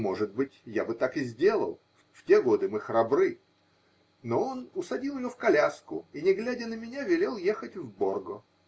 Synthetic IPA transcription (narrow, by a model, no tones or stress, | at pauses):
mo̞ʐɨd̪̚bɨtʲjabɨt̪akɪzʲdʲe̞lˠə̰lˠ | ftʲe̞ɡo̞d̪ɨmɨxɾɐbɾɨ | noo̞nʊsɐdʲilˠjɪjofkɐlʲaskʊ̰inʲɪɡlʲædʲənəmʲɪnʲavʲɪlʲe̞lˠje̞xətʲvborɡʊ